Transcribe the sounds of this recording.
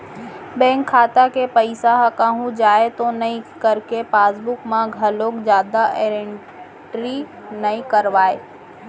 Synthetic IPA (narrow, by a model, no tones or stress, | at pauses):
bɛ̃ːŋkʰːaːt̪akepɐɪsaɦɐkaːɦũd͡ʒaːet̪onɐĩkɐɾkepaːsbʊkmãɡʱɐloːkd͡ʒjaːd̪aʔeːɾeɳ | ʈɾi | nɐĩkɐɾʋaːeː